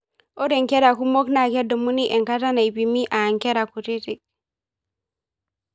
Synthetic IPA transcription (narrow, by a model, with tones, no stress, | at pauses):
ʔɔ˦dɛ˨ŋkɛ˦ɾa˨ku˦mɔ˦kna˨kɛ˦dɔ˨mu˦ni˦ʔɛ˨ŋka˦ta˦na˨jbi˨mi˦ʔa˨ŋkɛ˦ɾa˨ku˨ti˦ti˨k̚